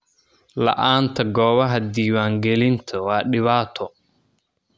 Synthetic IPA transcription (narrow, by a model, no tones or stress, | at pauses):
lɐ̰ʔaːnt̪ʰɐɡɔːβɐɦɐd̪iːwaːŋɡɛlɪnt̪ʰɐwɑːɗɪβaːt̪ʰɔ